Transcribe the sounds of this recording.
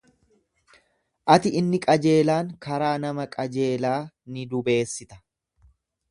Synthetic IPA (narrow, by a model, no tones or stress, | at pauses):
ʔɐt̪ɪɪnːɪkʼɐd͡ʒe̞ːlaːŋkɐɾaːnɐmɐkʼɐd͡ʒe̞ːlaː | nɪd̪ʊbe̞ːsːɪt̪ɐ̥